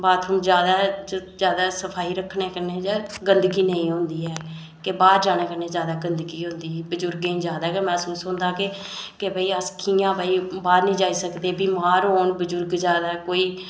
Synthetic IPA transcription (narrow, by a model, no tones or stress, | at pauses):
baːt̪ʰʊmd͡ʒjaːd̪aːd͡ʒjaːd̪aːsəpʰaːiːɾəkʰːneːkəɾneːd͡ʒaːɡənd̪əɡiːnəĩːɦõnd̪iːɛː | kebaːɾd͡ʒaːneːkəɾneːzjaːd̪aːɡənd̪ɡiːɦʊ̃nd̪iːbəd͡ʒʊɾɡẽĩːd͡ʒjaːd̪aːkemɛ̃ːsuːsɦõːnd̪aːke | kebəiːəskʰiːãːbaːiːbaːɾnĩːd͡ʒaːiːsəkd̪eːbiːmaːɾɦoːnbəd͡ʒʊɾɡd͡ʒaːd̪aːkoːiː